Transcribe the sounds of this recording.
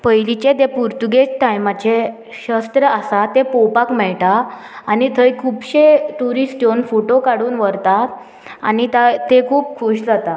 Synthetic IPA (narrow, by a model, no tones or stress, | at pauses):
pəjlit͡ɕed̪epuɾt̪uɡet͡ɕʈajmat͡ɕe | ɕəst̪ɾəasat̪epowpakmɛɭʈaː | nit̪ʰəjkʰuːpɕeʈ̪uɾisʈjonfoʈokaɽuːnʋəɾt̪a | a̰nit̪at̪ekʰuːp̚kʰuɕd͡zat̪a